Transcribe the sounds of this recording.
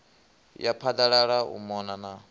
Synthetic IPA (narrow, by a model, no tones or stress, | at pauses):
japʰad̪aɺaɺaṵmɔnana